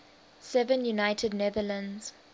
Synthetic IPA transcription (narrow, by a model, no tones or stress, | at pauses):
sɛvə̃njunaɪtʰədnɛðələ̃nz̥